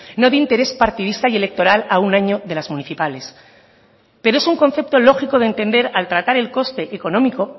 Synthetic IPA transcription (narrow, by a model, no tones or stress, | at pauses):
no̞ðeint̪e̞ɾe̞spaɾt̪iðist̪aje̞le̞k̚t̪o̞ɾalaunaɲo̞ðelazmũniθipale̞s | pe̞ɾoe̞suŋko̞n̟θe̞p̚t̪o̞lo̞xiko̞ð̞e̞nt̪e̞nd̪e̞ɾalt̪ɾat̪aɾe̞lko̞st̪e̞ʔːko̞nõ̞miko̞